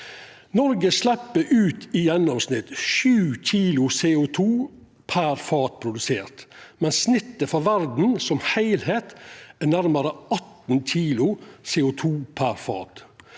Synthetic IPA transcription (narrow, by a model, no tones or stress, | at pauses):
nɔɾɡəslɛpːəʔʉːt̪ɪjɛnɔmsnɪt̪ʃʉːçiːlʊseːʊt̪ʰuː | pʰæɾfɑːt̪̚pʰɾʊd̪ʉseːɾt̪mɛnsnɪt̪ːəfɑʋæɾd̪n̩sɔmhæɪlheːt̪ænæɾmɑɾəʔɑt̪n̩c͡çʰiːlʊseːʊt̪ʰuːpʰæɾfɑ̰ːt̪